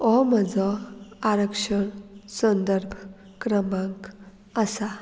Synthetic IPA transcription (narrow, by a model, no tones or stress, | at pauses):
ɔməd͡zɔaɾəkʂəɳsə̃nd̪əɾbʱ | kɾəmãŋk | asa